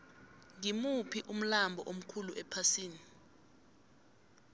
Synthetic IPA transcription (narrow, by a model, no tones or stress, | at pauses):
ŋimupʰiʔum̩lambʱɔʔom̩kʰuluʔɛpʰasiːni